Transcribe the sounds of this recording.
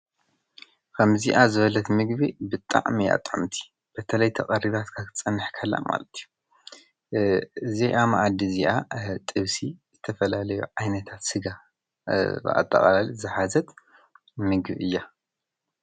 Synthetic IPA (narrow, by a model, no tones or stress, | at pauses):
kʰɐmziʔazɨβɐlɐt̪mɨɡbibɨt̪ʼːa̰ʕmija̰t̪ʼʕomt̪ʰi̥ | b̥ɐt̪ʰɐlɐjt̪ʰɐqʼɐɾiβat̪kʰakʰɨt͡sʼɨnːɨħkʰɐlːa̰ma̰lɐt̪ʰiju | ɨzijʔamaʔad̪iziʔat̪ʼɨβsizɨt̪ʰɐfɐlalɐjṵʕajnɐt̪ʰat̪sɨɡa | b̰a̰t̪ʼːɐ̰χʼɐlalizɨħazɐt̪ | mɨɡbʔɨjːa